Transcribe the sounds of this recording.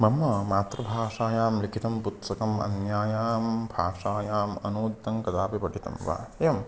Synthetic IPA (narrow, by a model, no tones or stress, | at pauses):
mɐmːɐmaːt̪ɾɐbʱaːʂaːjaːmlikʰit̪ɐmput̪sɐkɐmɐ̰njaːjaːmbʱaːʂaːjaːmɐ̰nuːd̪ːɐŋkɐd̪aːpipɐɖit̪ɐ̰mʋa̰ːem